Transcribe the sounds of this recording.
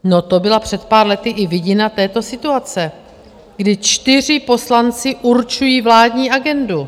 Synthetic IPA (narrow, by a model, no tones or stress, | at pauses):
no̞t̪o̞bɪlapr̝̥ɛt̪̚paːɾlɛt̪ɪʔɪvɪɟɪnat̪ɛːt̪o̞sɪt̪uat͡sɛ | ɡdɪt͡ʃt̪ɪr̝ɪpo̞slant͡sɪʔuɾt͡ʃujiːvlaːdɲiːʔaɡɛndu